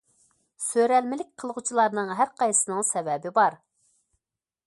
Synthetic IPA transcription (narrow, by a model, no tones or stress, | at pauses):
søɾɛlmɪlɪk̚ʲqʰəlˠʁut͡ʃʰilˠɑɾnɨŋɦæɾqʰɑjsɨnɨŋsɛvɛbɪbɑɾ